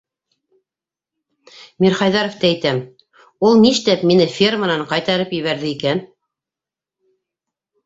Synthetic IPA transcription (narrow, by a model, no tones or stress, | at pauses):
miɾχɑjðɑɾŏft̪ææjt̪æm | ulˠniʃt̪æpminɘfʲermanɑɴqɑjt̪ɑɾɤpjɘ̆βæɾðɘikæn